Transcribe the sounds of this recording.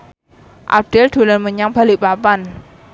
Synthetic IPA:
ʔa̰p̚d̥eld̪̥ṳlənməɲaŋb̥a̤liʔpapan

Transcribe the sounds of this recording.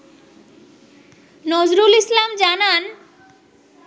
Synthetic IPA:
nɔzɾulislamd͡ʑanan

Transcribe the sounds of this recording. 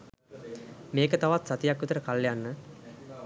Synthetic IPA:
meːkət̪aʋat̪sat̪ijakːut̪əɾəkalːjanːə

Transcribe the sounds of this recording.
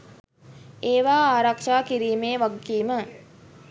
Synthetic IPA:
eːʋaːaːɾakʂaːkiɾiːmeːʋaɡiːmə

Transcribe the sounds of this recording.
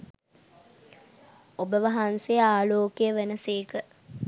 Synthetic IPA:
obəʋɐɦansejəaːloːkejəʋenəseːkə

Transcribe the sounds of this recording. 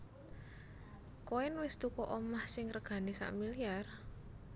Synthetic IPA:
koɪnwɪst̪ukɔʔɔmahsɪŋrəɡ̥a̤nisa̰ʔmiliar

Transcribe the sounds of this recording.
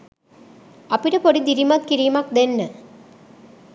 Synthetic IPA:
ɐpiɾɐpoɽid̪iɾimɐt̪̚kiɾimak̚d̪enːə

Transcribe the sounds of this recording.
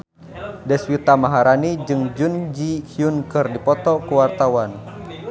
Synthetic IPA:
dɛswit̪amaɦaɾanid͡ʒɨŋd͡ʒund͡ʒikʰiunkɨrdipɔt̪ɔkuwart̪awan

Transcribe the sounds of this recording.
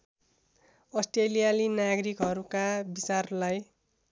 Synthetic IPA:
ʌsʈrelijalinaɡʌɾikɦʌɾukabit͡sarlaj

